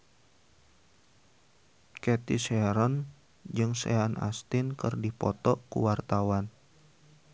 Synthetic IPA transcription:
kɛt̪isɛɾɔn | d͡ʒɨŋsɛ̰anʔa̰st̪ɪnkɨrdipɔt̪ɔkṵwart̪awan

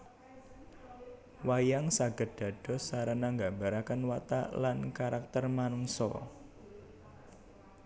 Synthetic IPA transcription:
wajaŋsaɡ̥ə̤d̪̥a̤d̥ɔ̤saɾanaŋɡambaɾakənwat̪a̰lankaɾak̚t̪ərmanuŋsɔ̰

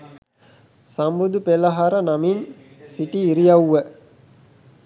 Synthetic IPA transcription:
sambud̪upelaɦaɾənamin | siʈiːɾijawːə

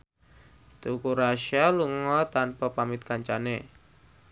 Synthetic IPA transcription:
t̪ukuɾaʃialuŋɔt̪anpɔpamit̪̚kaɲt͡ʃane

